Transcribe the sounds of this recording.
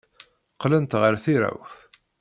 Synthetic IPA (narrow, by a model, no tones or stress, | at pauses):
qlənt̪ʁəɾθiɾa̰wθ